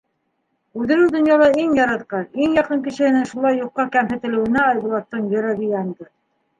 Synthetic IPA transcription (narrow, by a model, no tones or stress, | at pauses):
ʉðɘ̆ɾɘwd̪ŏnjɑlˠɑiŋjɑɾɑt̪qɑiŋjɑqɤŋkɘ̆ʃɘ̆hɘ̆nɘŋʃulˠɑjːuqːɑkæmɦɘ̆t̪ɘ̆lɘ̆wɘ̆næɑjbulˠɑt̪ːɤɴjɘ̆ɾæβijɑnd̪ɤ